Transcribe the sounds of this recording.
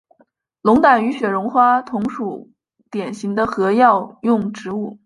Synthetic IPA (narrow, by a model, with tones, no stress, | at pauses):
lʊ˧˥ŋt̪a˨˩ny˧˥ɕɥɛ˨˩ɻʊ˧˥ŋxwa˥t̪ʰʊ˧˥ŋʂu˨˩ | t̪jɛ˨˩nɕi˧˥ŋd̪ə˧xɤ˧˥jɑ˥˧ʊjʊ˥˩ŋʈ͡ʂɻ̩˧˥u˥˩